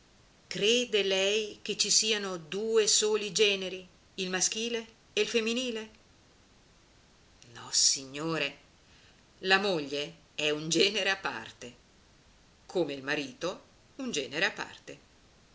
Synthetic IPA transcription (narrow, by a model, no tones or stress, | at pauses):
kɾeːd̪elɛjk̟et͡ʃːisiːanod̪uːesoːlid͡ʒɛːneɾi | ilmask̟iːleː | ilfemːiniːle | nɔ̰siɲːoːɾe | lamoʎːe | ɛund͡ʒɛːneɾeapːa̰rt̪e | kʰomeilmaɾiːt̪o | und͡ʒɛːneɾeapːa̰rt̪e